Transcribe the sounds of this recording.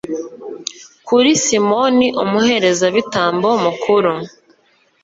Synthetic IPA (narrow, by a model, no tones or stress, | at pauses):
kuɾisimo̞niʔumuhe̞ɾe̞zaβitaːmbomukʰuɾu